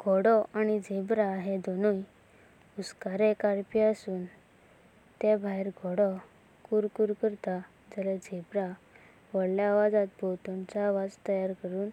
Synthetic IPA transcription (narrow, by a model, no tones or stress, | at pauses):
ɡ̥ʱɔɽɔʔañid͡zebɾaɦed̪ʱonuj | uskaɾekaɾpiasuːn | t̪ebʱaiɾɡʱɔɽɔ | kuɾkuɾkəɾt̪a | d͡zaled͡zebɾa | ʋəɽljaːʋad͡zãt̪̚bʱowt̪ɔ̃nt͡saːʋad͡zt̪əjaɾkəɾuːn